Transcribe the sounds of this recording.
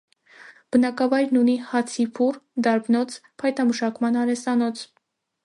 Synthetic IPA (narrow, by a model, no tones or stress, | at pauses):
b̥ənɑkɑvɑjɾnunihɑt͡sʰipʰurd̪ɑɾbnɔt͡sʰpʰɑjt̪ɑməʃɑkmɑnɑɾɛsɑnɔt͡sʰ